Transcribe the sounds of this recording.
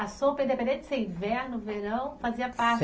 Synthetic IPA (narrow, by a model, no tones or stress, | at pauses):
asopɐĩd̪epẽnd̪ẽnt͡ʃ̪ɪ̥sẽj̃vɛɾnʊveɾɐ̃w̃faziɐpaɾt͡ʃ